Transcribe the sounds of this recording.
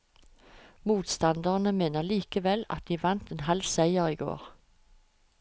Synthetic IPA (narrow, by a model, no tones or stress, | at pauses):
muːt̪st̪ɑnd̪əʁnəmeːnəliːkəʋɛlɑ̰t̪̚d̪iːʋɑnt̪ɛnhɑlsæɪəʁiːɡo̰ːʁ